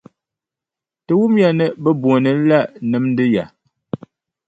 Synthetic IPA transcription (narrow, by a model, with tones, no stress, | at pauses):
tə˨wu˦mja˨nɛ˦bə˦bu˨nɨ˨˦la˦ʔnɨ˨˦mn̩˦dɨ˦ja˨